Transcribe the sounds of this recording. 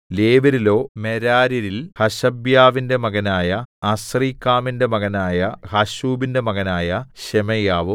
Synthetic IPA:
leːʋɐɾilo̞ːmeɾaːɾiɾilhɐɕɐbjaːʋinde̞mɐɣɐnaːjɐɐsriːkːaːminde̞mɐɣɐnaːjɐhɐɕuːbinde̞mɐɣɐnaːjɐɕemɐjaːʋu

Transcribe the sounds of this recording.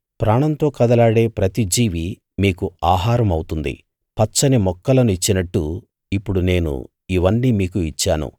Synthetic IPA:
pɾaːɳɐnt̪o̞ːkɐd̪ɐlaːɽe̞ːpɾɐt̪id͡ʒiːʋi | miːkuaːɦaːɾɐmɐwut̪und̪ḭ | pɐt͡ʃːɐnimɔkːɐlɐnuit͡ʃːinɐʈːu | ipːuɽune̞ːnṵ | iʋɐnːiːmiːkuit͡ʃːaːnṵ

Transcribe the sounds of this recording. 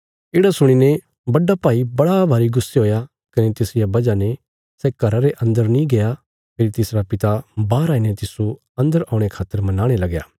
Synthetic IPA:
ɪɽasʊɽ̃ine | bɐɖːapaːibɐɽabʱaːɾiɡʊsːeɦoːja | kɐnet̪ɪsɪjabɐd͡ʒane | sɛkɐɾaɾeʔɐ̃nd̪əɾnĩɡeja | pʰeːɾit̪ɪsɾapɪt̪abaːɾaːinet̪ɪso | ɐ̃nd̪əɾaːʊ̃ɽ̃ekʰaːt̪ːəɾmɐnaːɽ̃elɐɡja̰ː

